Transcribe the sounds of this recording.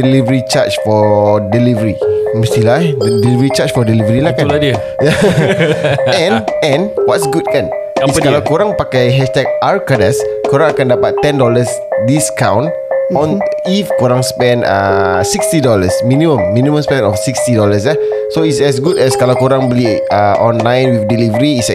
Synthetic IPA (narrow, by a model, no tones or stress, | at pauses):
dəlivəɾit͡ʃat͡ʃfɔdilivəɾimə̃st̪iladilivəɾit͡ʃat͡ʃfɔdilivəɾilahkaldə | ja | ɛ̃nɛ̃nwɔtsɡut̚kan | iskalawkoɾãŋpakajɦɛʃtɛk̚ʔaɹkadəskoɾãŋakãndapat̪ːɛ̃ndɔləs | diskã̰wn | ɔ̃nifkoɾãŋspɛ̃nə̰sikst̪idɔləsmĩnĩmə̃mːĩnimə̃mspɛ̃nɔfsikstidɔləs̬la | soisɛs̬ɡudɛskalawkoɾãŋbəliəʔɔ̃nlãjnwifdilivəɾiːs